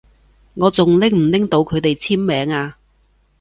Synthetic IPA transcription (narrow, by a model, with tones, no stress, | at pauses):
ŋɔː˨˧t͡sʊ˨ŋlɪ˥ŋm̩˨˩lɪ˥ŋt̪o˨˧wkʰɵ˨˧ɥt̪e˨jt͡sʰiː˥mːɛː˨˥ŋaː˧